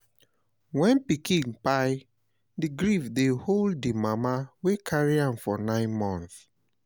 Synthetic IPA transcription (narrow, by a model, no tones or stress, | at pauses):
wɛ̃npikĩŋpaɪ | diɡɹifdeholddimamawekʰaɹiãmfɔnãɪ̃nmɔ̃nθ